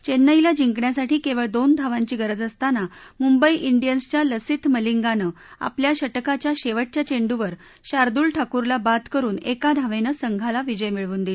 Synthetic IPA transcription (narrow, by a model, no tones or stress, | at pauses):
t͡ɕenːəjljad͡ʑiŋkɳjasaʈiːkeʋəɭd̪ond̪ʱaʋaɲt͡ɕiːɡəɾəd͡zəst̪anamumbəiʔiɳɖijənst͡ɕjaləsit̪məliŋɡanə | a̰pljaɕəʈkat͡ɕjaɕeʋəʈ̚t͡ɕjat͡ɕeɳɖuʋəɾ | ɕaɾd̪uːɭʈʰakuɾlabat̪kəɾuːnekad̪ʱaʋenəsəŋɡʱalaʋid͡ʑəjmiɭʋuːnd̪e